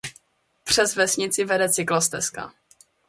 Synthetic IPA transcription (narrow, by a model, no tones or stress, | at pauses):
pr̝̥ɛzvɛsɲɪt͡sɪvɛdɛt͡sɪklost̪ɛska̰